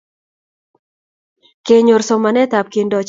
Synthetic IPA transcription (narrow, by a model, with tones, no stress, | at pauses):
ke˨ɲo˨ɾsɔ˨ma˨nɛ˦t̪a˨p̚ki˨ndɔ˨t͡ʃ